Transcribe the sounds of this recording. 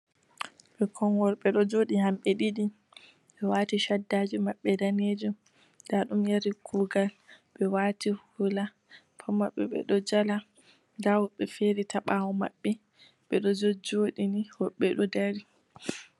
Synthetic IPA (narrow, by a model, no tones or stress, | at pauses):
ɓɛkʰɔŋɡɔɾɓɛɗɔd͡ʒoːɗihamɓɛɗiɗi | ɓɛwaːtiʃadːaːd͡ʒumaɓːɛdaned͡ʒum | daɗumjaɾikʰuːɡalɓɛwaːtihula | fʰɔmaɓːɛ̰ɓɛ̰ɗɔd͡ʒala | dawɔɓɛfeɾitaɓawɔma̰ɓːɛ | ɓɛɗɔd͡ʒɔd͡ʒoːɗinihɔɓːɛɗɔdaɾi